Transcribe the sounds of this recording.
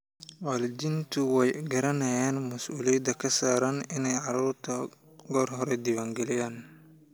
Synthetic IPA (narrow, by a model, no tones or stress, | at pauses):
walɪd͡ʒɪnt̪ʰʊwɛjɡɐɾɐnɐjaːnmɐsʔuːlɪjɐd̪ɐkʰɐsaːɾaːnɪnɛjʕɑɾuːrt̪ʰɐ | ɡɔːrɦɔɾɛd̪ɪwaːŋɡɛlɪjaːn